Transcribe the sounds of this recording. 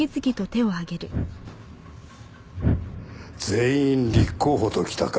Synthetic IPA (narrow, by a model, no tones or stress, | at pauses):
it͡sɨɡʲit̪o̞t̪e̞o̞aɡe̞ɾɯ̟ | z̥e̞ĩnɾʲikʰːo̞ːɦot̪okʲi̥t̪ak